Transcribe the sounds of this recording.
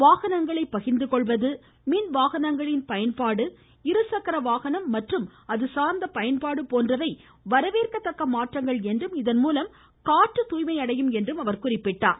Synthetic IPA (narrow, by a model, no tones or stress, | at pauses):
ʋaːɣɐnɐŋɡɐɭɐɪpːɐɣɪnd̪ɯkɔɭʋɐðɯ | miːnʋaːɣɐnɐŋɡɐɭɪnpɐjɐnpaːɽɯ | ɪɾɯsɐkɐɾɐʋaːɣɐnɐmːɐʈrɯmɐðɯsaːɾnd̪ɐpɐjɐnpaːɽɯpoːndrɐʋɐɪ | ʋɐɾɐʋeːrkɐt̪ːɐkːɐmaːʈrɐŋɡɐɭɛndrɯmɪðɐnmuːlɐm | kaːʈːɯt̪uːjmɐɪɐɽɐjɯmɛndrɯmɐʋɐɾkʊrɪpːɪʈːa̰ː